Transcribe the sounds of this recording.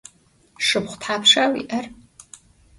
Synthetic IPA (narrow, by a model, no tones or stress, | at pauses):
ʂɨpχʷʊ̥tħaːpʂaːwḭʔɐr